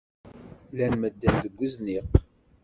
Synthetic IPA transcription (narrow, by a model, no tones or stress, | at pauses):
lænməd̪ːænd̪əɡʷːəzniq